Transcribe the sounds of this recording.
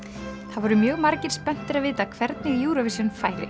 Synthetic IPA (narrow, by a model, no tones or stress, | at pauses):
θaðvɔɾʏmjœːɣmaɾcɪɾ̥spɛn̥t̪ɪɾaðvɪːt̪akʰvɛɾt̪nɪɣjuːɾavɪsjɛnfaːjlɪ̰